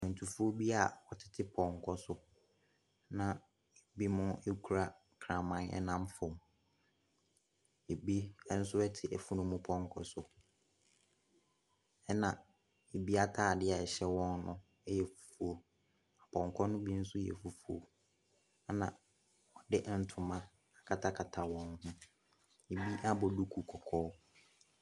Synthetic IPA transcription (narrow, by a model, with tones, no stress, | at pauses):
mɛ̃˨n˨tʰu˨fu˦o˦bi˦a˨ɔ˨tʰɪ̥˦tʰɪ˦pʰɔ̃˨ŋ˨kʰɔ˦sʊ˦ | nã˨ | e˨bi˦mʊ̃˦e˦kʰu˨ɾa˦ | kʰɾã˨mã˦nɛ̰˦nã˦mfʊ̃˨m˨ | e˨bi˦n̩˦sʊ˦ɛ˦tʰɪ˨æ˨fu˦nʊ̃˦mʊ̃˦pʰɔ̃˨ŋ˦kʰɔ˨sʊ˨ | ɛ˦nã˨ | e˨bi˦a˦tʰaː˦˨dɪ˦a˨ɛ˨ɕɛ˦wɔ̃˦nnʊ̰̃˦ | jɛ˨fu̥˨fu˨o˨ | a˨pʰɔ̃˨ŋ˨kʰɔ˦nʊ̃˦bi˦n̩˦sʊ˦jɛ̰˨fu˨fu˨o̰˨ | a˦nã˨ | ɔ˨dɪ˦ʔn̩˦tʰʊ˨mã˦ | a˨kʰa˨tʰa˦kʰa˨tʰa˨wɔ̃˨˦nhʊ̃˦ | e˨bi˦ʔa˦bɔ˨du˦kʰu˨kʰɔ˨kʰɔː˦